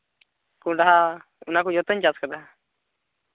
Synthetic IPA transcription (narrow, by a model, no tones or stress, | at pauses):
kũɖaɦa | unakɔjɔt̪əɲt͡ʃaskad̪aɦa